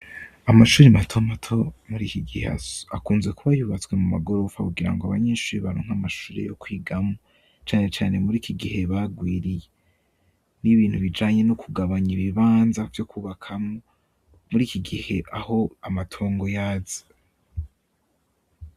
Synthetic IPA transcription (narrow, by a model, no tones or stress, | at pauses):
amaʃuːɾimatʰomatʰomuɾiːkiɡihḛa̰akuːnze̞kuβajuβat͡swe̞mumaɡo̞ɾo̞fakuɡiɾa̰ŋɡoaβa̰ɲeʃuːɾiβaɾoːŋ̥hamaʃuːɾḛjo̰kwiːɡamo | t͡ʃaːne̞t͡ʃaːne̞muɾiːkʰiɡihe̞βaɡwiːɾije | niβiːnhuβid͡ʒaːɲe̞nokʰuɡaβaɲiβiβaːnzavjo̞kʰuːβakʰamo | muɾiːkiɡihe̞ʔaho̞amatʰo̞ːŋɡo̞jaːzḁ